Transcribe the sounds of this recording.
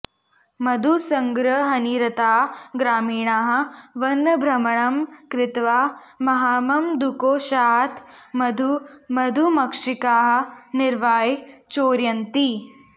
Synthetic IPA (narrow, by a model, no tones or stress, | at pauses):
mɐd̪ʱusɐŋɡɾɐɦɐniːɾɐt̪aːɡɾaːmiːɳaːɦɐ̆ʋɐnːɐbʱɾɐmɐɳɐmkɾɪt̪ʋaː | mɐɦaːmɐmd̪ukoːʃaːɦt̪mɐd̪ʱumɐd̪ʱumɐkʂikaːɦɐ̆nɪɾʋaːjt͡ʃoːɾjɐnt̪i